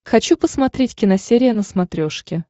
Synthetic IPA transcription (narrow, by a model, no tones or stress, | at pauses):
xɐt͡ɕupəsmɐt̪ɾʲetʲkʲɪnɐsʲeɾʲɪjənəsmɐt̪ɾʲo̞ʂkʲɪ